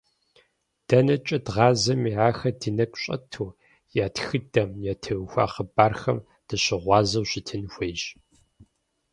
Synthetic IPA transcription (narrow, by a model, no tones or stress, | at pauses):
d̥ɐnɐt͡ʃʼɐdʁɑːzɐmiːʕaːxɐdɨnɐkʷʼɕʼɐ̰tʰuː | jaːtxɨdɐmjaːtʰɨɣxʷa̰ːχəbaːrxɐ̰m | d̥ɐɕɪʁʷɑːzɐwɕɪtʰɨnxʷejɕ